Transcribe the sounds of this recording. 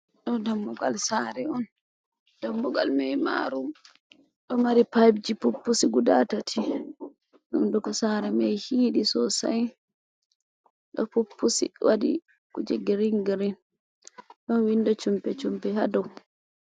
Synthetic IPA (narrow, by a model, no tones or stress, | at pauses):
ɗɔdamːɔɡalsaːɾɛɔn | d̥amːɔɡa̰lmɛjma̰ɾum | ɗɔmaɾipajbd͡ʒipupːusiɡudatatʰi | ɗumdɔkɔsaːɾɛmɛjhiːɗisɔsa̰j | ɗɔ̰pupːusḭwadḭ | kud͡ʒɛɡiɾiŋɡɾin | ɗɔnwindɔt͡ʃumpɛt͡ʃumpɛhadɔw